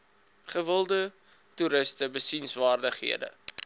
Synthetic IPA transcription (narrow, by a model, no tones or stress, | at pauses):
χəvəlˠdə | tuɾəstəbəsinsvɑːrdəχɦḭədə̰